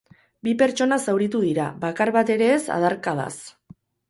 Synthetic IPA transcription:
bipe̞ɾt͡ʃo̞nasawɾit̪uðiɾaβakaɾβat̪e̞ɾe̞ːsa̰ðaɾkað̞a̰s

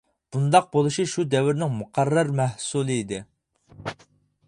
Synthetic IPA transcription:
b̥und̪ɑq̚bolˠuʃiʃud̪ɛwɪɾnɪŋmuqʰɑrːɑɾmɛhsulˠɨid̪ɪ

